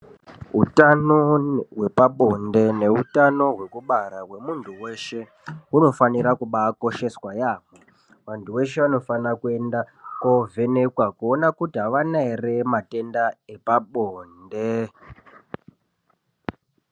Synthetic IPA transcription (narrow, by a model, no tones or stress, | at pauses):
ɦutanoɦwe̞paɓo̞nde̞ne̞utano̞ɦwe̞kuɓaɾaɦwe̞muntʰuwe̞ʃe̞ | uno̞faniɾakuɓako̞ʃe̞swajaːmwe | ʋantʰuwe̞ʃe̞ʋano̞fanakue̞ndako̞vʱe̞ne̞kwakuonakutiɦaʋanaere̞mate̞ndaepaɓoːnde